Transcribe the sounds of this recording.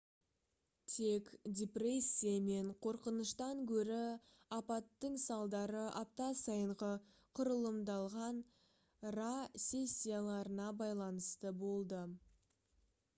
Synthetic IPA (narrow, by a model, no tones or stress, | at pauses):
t̪ʰe̞kdʲepre̞sʲːijame̞ɴqʰo̞ɾqənəʃt̪ɑŋkʲʰɵɾɪ | ɑpɑt̪ːəɴsɑlˠd̪ɑɾəʔɑp̚t̪ɑsɑjəɴʁə | qʰʊɾəlˠəmd̪ɑlˠʁɑn | rasʲe̞sʲːijalˠɑɾənɑbɑjlˠɑnəst̪əbo̞lˠd̪ə